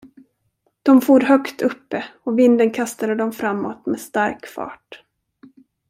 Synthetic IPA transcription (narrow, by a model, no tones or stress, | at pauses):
d̪̥ɔmfuːɾɦœkt̪ʰɵpːəɔvɪnd̪ənkʰast̪ad̪əd̪ɔmfɾamːoːt̪mɛst̪aɾkfɑ̰ːʈ